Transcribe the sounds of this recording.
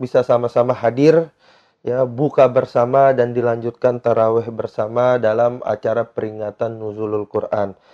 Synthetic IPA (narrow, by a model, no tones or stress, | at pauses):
bisasamasamaɦadɪr | jabukabərsamadandilaɲd͡ʒut̪̚kant̪aɾawɛhbərsamadalama̰t͡ʃaɾapəɾiŋat̪anːuzulʊlkurʔan